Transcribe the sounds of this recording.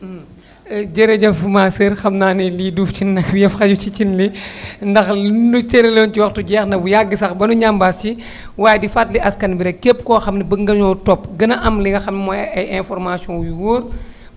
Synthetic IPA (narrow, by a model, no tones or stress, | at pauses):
m | ɟɐɾeɟɐfmasəɾxɐmnaːniliduːfcinːɐkjɛfxɐɟut͡ʃit͡ʃinlindɐxnutɛɾɛloːnciwɐxtuɟɛːxnɐbujaɡːisɐxbɐnuɲambasi | waːjɛdifatliʔɐskɐnbiɾɛkep̚ːkɔːxɐmnibəŋɡɐɲɔːtɔpːɡənɐʔɐmliŋɡɐxɐmnimɔjɐjɛnfɔɾmasiɔ̃juwuːr